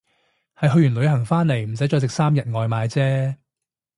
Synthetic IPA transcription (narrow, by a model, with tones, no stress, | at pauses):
hɐ˨jɦɵ˧ɥjyː˨˩nlɵ˨˧˥ɥhɐ˨˩ŋfaː˥nle˨˩jm̩˨˩s̬ɐ˨˥jt͡ʃɔː˧sɪ˨k̚saː˥mjɐ˨t̚ŋɔː˨jmaː˨˧jt͡sɛː˥